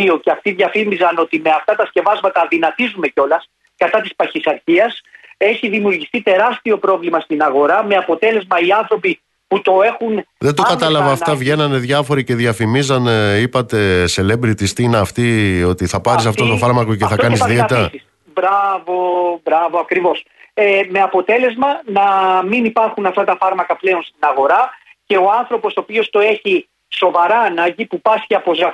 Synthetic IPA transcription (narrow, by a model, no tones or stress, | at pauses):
io̞ceɐft̪iðʝɐfimizɐno̞t̪ime̞ɐft̪ɐt̪ɐsce̞vɐzmɐt̪ɐðinɐt̪izume̞ceo̞lɐs | kɐt̪ɐt̪ispɐçisɐɾçiɐse̞çiðimiuɾʝiθit̪e̞ɾɐst̪io̞pɾo̞vlimɐst̪inɐɣo̞ɾɐme̞ɐpo̞t̪e̞le̞zmɐiɐnθɾo̞pi | put̪o̞e̞xunðe̞d̪okɐt̪ɐlɐvɐːft̪ɐvʝe̞nɐne̞ðʝɐfo̞ɾice̞ðʝɐfimizɐneipɐt̪e̞se̞lebɾit̪ist̪ineɐft̪io̞t̪iθɐpɐɾisɐft̪ot̪ofɐɾmɐkoceθɐkɐnizɐðieɐt̪ɾɐsis | bɾɐvo̞bɾɐvoɐkɾivo̞s | eme̞ɐpo̞t̪e̞le̞zmɐnɐminipɐɾxunɐft̪ɐt̪ɐfɐɾmɐkɐple̞o̞nst̪inɐɣo̞ɾɐ | ce̞o̞ɐnθɾo̞po̞sopio̞st̪o̞e̞çi | so̞vɐɾɐnɐʝipupɐsçiɐpo̞zɐ